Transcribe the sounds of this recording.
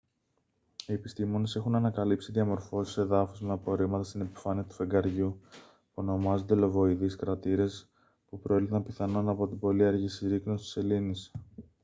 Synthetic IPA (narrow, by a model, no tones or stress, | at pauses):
ie̞pist̪imo̞ne̞se̞xunɐnɐkɐlipsiðʝɐmo̞ɾfo̞si̥se̞ðɐfozmeɐpo̞ɾimɐt̪ɐst̪ine̞pi̥fɐniɐt̪u̥fe̞ŋɡɐɾʝu | puo̞no̞mɐzo̞nd̪e̞lo̞vo̞iðiskɾɐt̪iɾe̞s | pupɾoelθɐmpiθɐno̞nɐpo̞t̪ibo̞liɐɾʝisiɾiknost̪ise̞linis